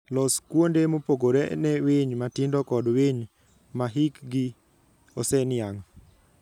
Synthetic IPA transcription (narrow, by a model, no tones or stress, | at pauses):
lɔskwondemopoɡoɾɛnɛwɪɲmatɪndɔkɔdweɲ | maɦikɡi | osɛnɪaŋ